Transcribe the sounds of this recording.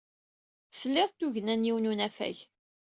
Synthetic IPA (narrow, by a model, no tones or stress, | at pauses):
θlːɪðˤt̪ːuʝənænjiwnunæfæ̰ʝ